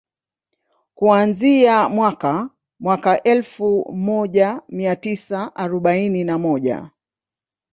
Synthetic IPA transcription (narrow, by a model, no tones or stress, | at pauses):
kuanziamwaka | mwakaʔɛlfumɔʄamiatisaʔaɾɔɓaininamɔʄa̰